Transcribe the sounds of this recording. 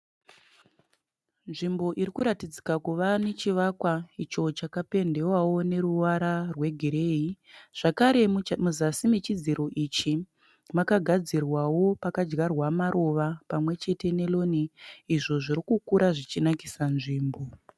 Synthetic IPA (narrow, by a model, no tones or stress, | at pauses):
nʐimbo̞ʔiɾikuɾatid͡zikakuʋanet͡ʃiʋakwait͡ʃo̞t͡ʃakape̞nde̞wawo̞ne̞ɾuwaɾarwe̞ɡʱiɾe̞ːi | ʐ̥akaɾe̞muzasimit͡ʃid͡ziɾo̞ʔit͡ʃi | makaɡʱad͡zirwawo̞pakad͡ʒɡarwamaɾʔo̞ʋapamwe̞t͡ʃe̞te̞ne̞lo̞niiʐo̞ʐiɾikukuɾaʐit͡ʃinaki̥sanʐiːmbo̞